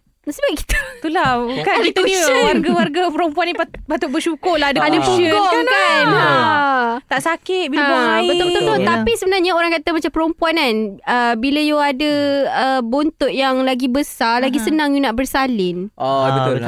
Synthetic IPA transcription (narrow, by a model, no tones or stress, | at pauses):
səbap̚ki̥t̪ə̥t̪ulakait̪uwaɡawarɡapəɾəmpuanːiapat̪ʊʔbəʃukʊrlaadəpadabəukɔkan | t̪aʔsakɪt̪̚biabaibət̪ʊbət̪t̪ot̪apisəbənarɲaoɾaŋkat̪əmat͡ʃampəɾəmpuananəbiləjuadəəbont̪ʊʔjaŋlaɡibəsalaɡisənãŋjunaʔbərsalɪnʔbəʊ